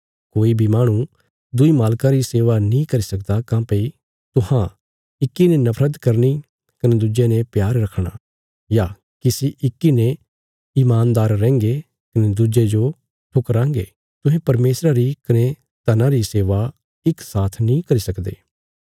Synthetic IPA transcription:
koːibʱimaːɽ̃ũ | d̪ʊimaːlkãɾiseːʋanĩkɐɾisɐkd̪akãːpei | t̪ʊɦã | ɪkːinenɐpʰɾəd̪kɐɾni | kɐned̪ud͡ʒenẽpjaːɾɾɐkʰɽ̃a̰ | ja | kɪsiʔɪkːinẽ | iːmaːnd̪aːɾːɛ̃ːŋɡe | kɐned̪ud͡ʒed͡ʒo | ʈʰʊkɾãːŋɡḛ | t̪ʊ̃ɦẽpɐɾmeːsɾaɾikɐne | t̪ɐnãɾiseːʋa | ɪksaːt̪ʰnĩkɐɾisɐkd̪ḛː

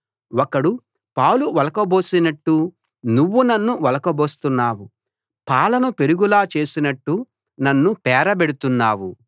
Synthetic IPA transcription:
wɔkɐɽu | pɐwluʋɐlɐkɐbo̞ːsinɐʈːu | nuʋːunɐnːuʋɐlɐkɐbo̞ːst̪unːaːwu | paːlɐnupe̞ɾuɡulaːt͡ʃe̞ːsinɐʈːu | nɐnːupɛːɾɐbe̞ɽut̪unːaːwu

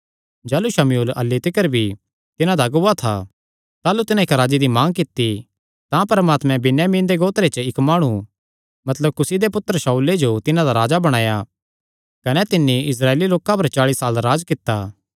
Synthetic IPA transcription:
d͡ʒɛːluʃɐmjuːlɐ̰lːit̪ɪkəɾbʱi | t̪ɪnãd̪aɡat̪ʰa̰ | t̪aːlut̪ɪnãɪkɾaːd͡ʒid̪imãːŋkɪt̪ːi | t̪ãpɐɾmaːt̪mɛ̃bɪnjaːmĩːnd̪eɡoːt̪ɾet͡ʃəɪkmaːɽ̃u | mɐt̪ləb̚kʊsid̪epʊt̪ːɾəʃauːled͡ʒot̪ɪnãd̪aɾaːd͡ʒabɐɽ̃aːja | kɐnɛt̪ɪnːiɪs̬ɾaːeːliloːkãp̬ɐɾt͡ʃaːɭisaːlɾaːd͡ʒkɪt̪ːaː

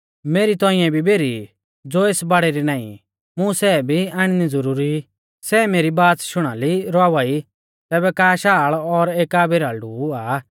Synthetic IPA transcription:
meːɾit̪ɔ̃ɪ̃jɛ̃bʱibeːɾi | d͡zoːeːsbaɽɛɾinãːḭ̃ | mʊ̃sɛːbʱiaɽ̃inid͡zəɾuːɾi | sɛːmeːɾibaːt͡sʃʊɽ̃aːliɾɔaːʋaːi | t̪ɛːbɛkaːʃaːɭɔɾeːkaːbeɾaːlɖuːaː

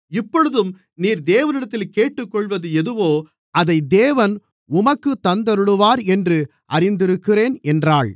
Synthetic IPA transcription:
ɪpːɔɻɯðɯm | niːɾd̪eːʋɐnɪɽɐt̪ːɪlkeːʈːɯkːɔɭʋɐðɯɛðɯʋoː | ɐðɐɪd̪eːʋɐn | ʊmɐkːɯt̪ːɐnd̪ɐɾɯɽɯʋaːɾɛndrɯ | ʔɐrɪnd̪ɪɾɯkːɪreːnɛndraːɭ

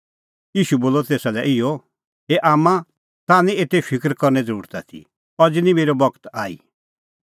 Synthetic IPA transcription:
jiːʃuboːlɔt̪eːsalɛʔɪɔ | eʔaːmã | t̪aːnĩeːt̪epʰɪkɾkɔɾnɛd͡zəɾuːɾt̪at̪ʰḭ | ɔd͡znĩmeːɾɔbɔɡt̪aːḭ

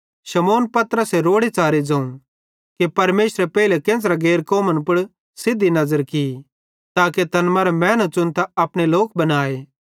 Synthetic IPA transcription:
ʃɐmoːnpɐt̪ɾəseɾoːɽet͡saːɾid͡ʒɐ̃ũ | kepɐɾmeːsɾepɛːilekẽːs̬ɾaɡeːɾkɔːmənpʊɽ | sɪd̪ːinɐzəɾki | t̪aːket̪ɐnmɐɾmɛ̃ːnot͡ʃʊnt̪aɐpɽ̃eloːkbɐnaːeː

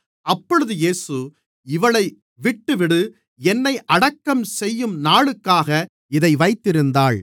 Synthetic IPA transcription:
ʔɐpːɔɻɯðɯjeːsɯ | ɪʋɐɭɐɪ | ʋɪʈːɯʋɪɽɯ | ɛnːɐɪʔɐɽɐkːɐmsɛjːɯmnaːɭɯkːaːɣɐ | ɪðɐɪʋɐɪt̪ːɪɾɯnd̪aːɭ

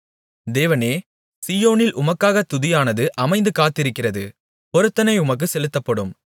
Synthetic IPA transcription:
d̪eːʋɐneː | sijoːnɪlʔʊmɐkːaːɣɐt̪ʊðɪjaːnɐðɯʔɐmɐɪnd̪ɯkaːt̪ːɪɾɯkːɪrɐðɯ | pɔɾɯt̪ːɐnɐɪʊmɐk̬ːɯsɛlɯt̪ːɐpːɐɽɯm

